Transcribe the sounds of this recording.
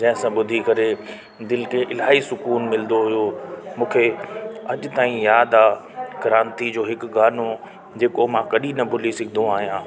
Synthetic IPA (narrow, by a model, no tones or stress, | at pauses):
d͡ʑɐ̃ɦɪ̃sãɓʊd̪ʱikɐɾe | d̪ɪlkʰeʔɪlaːɦisʊkuːnmɪlnd̪oɦʊjomũːkʰeɐʄʊt̪aːĩjaːd̪aːkɐɾãːnt̪id͡ʑoːɦɪkɡaːno | d͡ʑeːkomãkɐɗinɐbʱʊlisɪkʰɪd̪õaːɦijãː